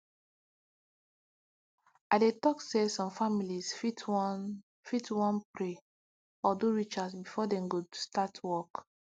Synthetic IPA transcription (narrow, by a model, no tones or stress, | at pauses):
adetɔksesɔ̃mfamilisfitʰwɔn | fitʰwɔ̃npɹe | ɔduɹit͡ʃasbifɔdɛ̃mɡostatʰwɔk